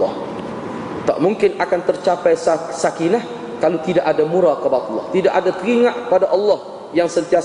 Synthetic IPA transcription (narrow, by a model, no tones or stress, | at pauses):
ɔ | t̪a̰ʔmũŋkɪnakant̪ərt͡ʃapajssakilah | kalut̪idaʔadamũɾakəbat̪ɔlːɔ̰ht̪idaʔadat̪əɾiŋaʔkəpadaʔɑlːɔh | jaŋsənt̪ia